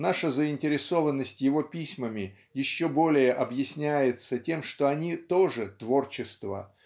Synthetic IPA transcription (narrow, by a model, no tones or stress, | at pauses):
naʂəzəɪnʲtʲɪɾʲɪso̞vənːəsʲtʲjɪvo̞pʲisʲməmʲɪ | jɪɕːo̞bo̞lʲɪjəʔɐbjɪsʲnʲæjɪt̪sətʲe̞mʂt̪o̞ɐnʲit̪o̞ʐɨt̪vo̞rt͡ɕɪst̪və̰